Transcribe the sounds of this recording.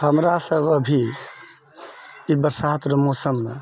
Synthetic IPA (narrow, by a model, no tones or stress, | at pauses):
həmɾasəbəbʱi | ibəɾsat̪ɾəmosəmːe